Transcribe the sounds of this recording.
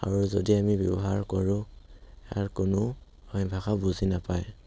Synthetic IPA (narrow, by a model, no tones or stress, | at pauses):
a̰ɹuzodiamibjɔbɔɦaɹkɔɹʊ̃ | aɹkʊnʊ | ɔ̃bʱaxabuzinapaj